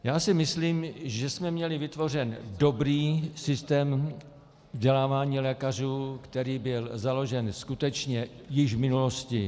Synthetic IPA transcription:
jaːsɪmɪsliːmʒɛsmɛmɲɛlɪvɪt̪vo̞r̝ɛndo̞bɾiːsɪst̪ɛːm | vɟɛlaːvaːɲiːlɛːkar̝uːkt̪ɛɾiːbɪlzalo̞ʒɛnskut̪ɛt͡ʃɲɛjɪʒvmɪnulo̞scɪ

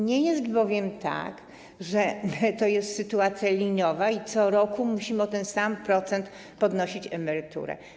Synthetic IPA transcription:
ɲɛjɛst̪bɔvʲjɛmt̪a̰k | ʐɛmɘt̪ɔjɛst̪sɘt̪uat̪sʲjalʲiɲɔvait̪sɔɾɔkumuɕimɔt̪ɛnsampɾɔt̪sɛnt̪ | pɔd̪nɔɕit͡ɕɛmɛɾɘt̪ṵɾɛ̰

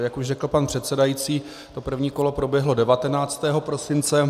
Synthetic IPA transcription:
jakuʃrɛkl̩panpr̥ɛt̪sɛdajit͡siː | t̪o̞pr̩vɲiːko̞lo̞pɾo̞bjɛɦlo̞dɛvat̪ɛnaːt͡st̪ɛːɦo̞pɾo̞sɪnt͡sɛ

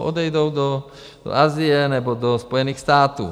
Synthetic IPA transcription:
ʔɔd̪ɛjd̪oʊd̪ɔ | d̥̪ɔ̰ʔazijɛnɛbɔd̪ɔspɔjɛniːxst̪aːt̪ṵː

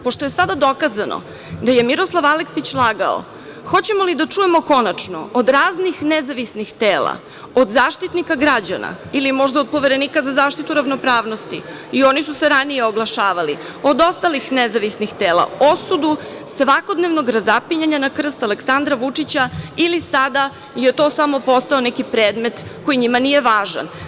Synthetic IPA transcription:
po̞ʃt̪o̞je̞sad̪ad̪o̞kazano̰ | d̪aje̞miɾo̞slˠaʋaleksit͡ɕlˠaːɡa̰o̰ | xo̞t͡ɕe̞mo̞lid̪at͡ʂujemo̞ko̞nat͡ʂno̰od̪ɾaːznixnezaʋisnixt̪eːla̰ | od̪zaːʃt̪it̪nikaɡɾad͡ʑa̰na̰ | ilimo̞ʒd̪aod̪̚po̞ʋeɾe̞nikazazaːʃt̪it̪uɾavno̞pɾaːʋno̞st̪ḭ | io̞nisuseɾanijeo̞ɡlˠaʃaːʋali | o̞d̪o̞st̪alixnezaʋisnixt̪eːlˠa̰o̞sud̪u | sʋako̞d̪neʋnoɡɾazapiɲaɲanakr̩st̪aleksand̪ɾaʋut͡ʂit͡ɕailisad̪a | je̞t̪o̞ːsamo̞po̞st̪aonɛkipɾeːd̪me̞t̪ko̞jiɲimanije̞ʋaːʒa̰n

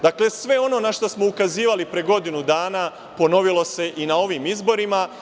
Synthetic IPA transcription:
d̪akle̞sʋe̞o̞no̞naʃt̪osmo̞ukaziːʋalipɾeɡo̞d̪inud̪aːna | po̞no̞ʋilˠo̞se̞ʔinao̞ʋimizbo̞ɾima

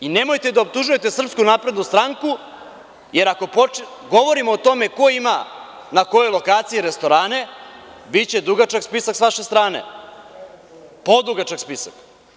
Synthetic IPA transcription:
inemo̞jt̪e̞d̪aop̚t̪uʒuje̞t̪e̞sr̩pskunapɾed̪nust̪ɾaŋku | je̞ɾako̞po | ɡo̞ʋo̞ɾimoːt̪o̞me̞ko̞ima | nako̞jojlo̞kaːt̪sijeɾe̞st̪o̞ɾaːne̞bitt͡ɕe̞d̪uɡat͡ʃakspisaksʋaʃe̞st̪ɾaːnḛ | po̞d̪uɡat͡ʃakspisak

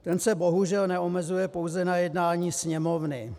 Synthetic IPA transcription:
t̪ɛnsɛbo̞ɦuʒɛlnɛomɛzujɛpo̞wzɛnajɛdnaːɲiːsɲɛmovnɪ

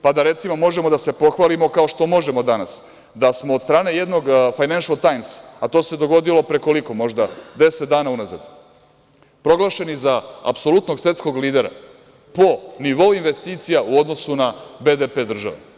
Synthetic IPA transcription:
pad̪aɾe̞t̪simomo̞ʒemod̪ase̞po̞xʋalimo̞kao̞ʃt̪o̞mo̞ʒe̞mo̞d̪anas | d̪asmoːd̪st̪ɾaːne̞je̞d̪no̞ɡfajnanʃalˠt̪ajmsat̪o̞ːse̞d̪o̞ɡo̞d̪ilo̞pɾe̞ko̞liko̞mo̞ʒd̪ad̪e̞set̪d̪aːnaunaza̰d̪ | pɾo̞ɡlˠaʃe̞nizaa̰pso̞lˠut̪noɡsʋe̞t̪sko̞ɡliːd̪e̞ɾa̰ | po̞niʋo̞uinʋest̪iːt̪sijaʔuo̞d̪no̞sunabe̞d̪epe̞ːd̪r̩ʒa̰ʋḛ

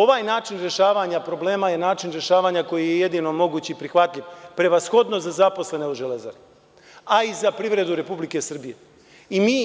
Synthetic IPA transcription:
o̞ʋaːjnaːt͡ʃinɾe̞ʃaːʋaɲapɾo̞ble̞ːmaje̞naːt͡ʃinɾje̞ʃaːʋaːɲako̞jijeje̞d̪ino̞mo̞ɡuːt͡ɕiipɾixʋat̪ʎʲiʋpɾe̞ʋasxo̞d̪nozazapo̞sle̞ne̞oʒe̞leza̰ɾe | aizapɾiʋɾe̞d̪uɾe̞publike̞sr̩bije̞ | imiː

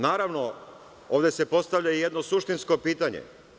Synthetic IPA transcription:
naːɾaʋno̞ | oːʋd̪ʲe̞se̞po̞st̪aʋʎaijed̪nosuʃt̪insko̞piːt̪aɲḛ

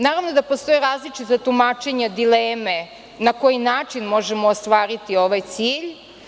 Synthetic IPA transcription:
naːɾaʋnod̪apost̪o̞jiɾaːzlit͡ʃit̪at̪umaːt͡ʃe̞ɲad̪ileːme | nako̞jinaːt͡ʃinmo̞ʒemoːst̪ʋaːɾit̪io̞ʋajt̪siːʎ

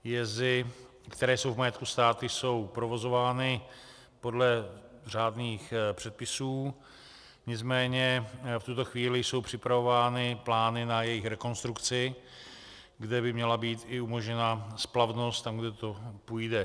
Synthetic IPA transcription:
jɛzɪ | kt̪ɛɾɛːjso̞wvmajɛt̪̚kust̪aːt̪ɪjso̞wpɾo̞vo̞zo̞vaːnɪ | po̞dlɛ | r̝aːdniːxpr̝̥ɛt̪̚pɪsuː | ɲɪt͡smɛːɲɛft̪ut̪o̞xviːlɪjso̞wpr̝̥ɪpɾavo̞vaːnɪplaːnɪnajɛjɪxɾɛko̞nst̪ɾukt͡sɪ | ɡdɛbɪmɲɛlabiːt̪ɪumo̞ʒɲɛnasplavno̞st̪t̪amɡdɛt̪o̞pujdɛ

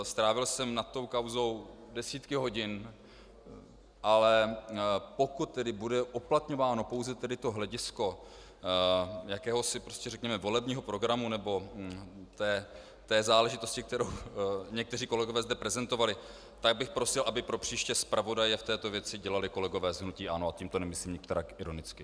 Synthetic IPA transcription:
st̪ɾaːvɪlsɛmnat̪ːo̞wkawzo̞w | dɛsiːt̪kɪɦo̞ɟɪn | ʔalɛ | po̞kut̪̚ːɛdɪbudɛʔuplat̪ɲo̞vaːno̞po̞wzɛt̪ɛdɪt̪o̞ɦlɛɟɪsko̞ | jakɛːɦo̞sɪpɾoscɛrɛkɲɛmɛvo̞lɛbɲiːɦo̞pɾo̞ɡɾamunɛbo̞ | t̪ɛː | t̪ɛːzaːlɛʒɪt̪o̞scɪk̚t̪ɛɾowɲɛk̚t̪ɛriːko̞lɛɡo̞vɛːzdɛpɾɛzɛnt̪o̞valɪ | t̪aɡ̚bɪxpɾo̞sɪlʔabɪpɾo̞pr̝̥iːʃcɛspɾavo̞dajɛft̪ɛːt̪ovjɛt͡sɪɟɛlalɪko̞lɛɡo̞vɛːzɦnuciːʔanoac̪imt̪o̞nɛmɪsliːmɲɪk̚t̪ɛɾaːkʔɪɾo̞nɪt͡skɪ

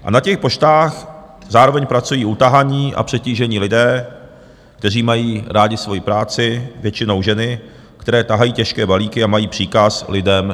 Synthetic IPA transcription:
ʔa̰nacɛxpo̞ʃt̪aːx | zaːɾo̞vɛɲpɾat͡sujiːʔut̪aɦaɲiːʔa̰pr̥ɛciːʒɛɲiːlɪdɛː | k̚t̪ɛr̝iːmajiːɾaːɟɪsvo̞jipɾaːt͡sɪvjɛt͡ʃɪno̞wʒɛnɪ | kt̪ɛɾɛːt̪aɦajiːcɛʃkɛːbaliːkɪamajiːpr̥iːkaslɪdɛm

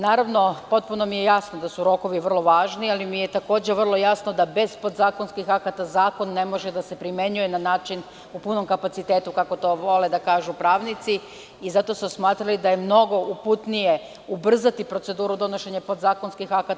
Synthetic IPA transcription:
naːɾaʋno̞po̞t̪̚puno̞mijejasnod̪asuɾo̞ko̞ʋiʋr̩lˠo̞ʋaːʒnialimije̞t̪ako̞ːd͡ʑeʋr̩lˠo̞jasno̞d̪abe̞zpo̞d̪zaːko̞nskixakat̪azaːko̞nːe̞mo̞ʒed̪ase̞pɾime̞ɲuje̞nanaːt͡ʃin | upuno̞mkapat̪sit̪e̞ːt̪ukako̞t̪o̞ʋo̞le̞d̪akaːʒupɾaːʋnit̪si | izat̪o̞smosmaːt̪ɾalid̪ajemno̞ɡo̞ʔuput̪nije̞ | ubr̩zat̪ipɾo̞t̪se̞d̪uːɾud̪o̞no̞ʃe̞ɲepo̞d̪zaːko̞nskixakat̪

